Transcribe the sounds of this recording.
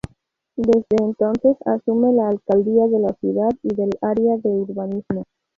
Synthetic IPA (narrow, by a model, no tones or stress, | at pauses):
d̪e̞zd̪e̞ːnt̪o̞nθe̞sa̰sume̞laːlkald̪iaðe̞lasjuðaðiðe̞laɾeaðe̞uɾβanizmo